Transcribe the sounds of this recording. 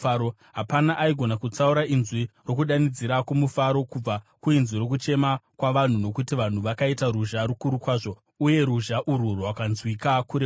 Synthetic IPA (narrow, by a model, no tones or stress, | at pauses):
o | ɦapanaʔaiɡʱo̞nakut͡sauɾainzwiro̞kuɗanid͡ziɾakumufaɾo̞kub͡vakuinzwiɾo̞k̬ut͡ʃe̞makwaʋan̤uno̞kutiʋan̤uʋakaitaɾuʒaɾukuɾukwaːʐo̞ | uje̞ɾuʒaʔuɾurowakanzwikakuɾe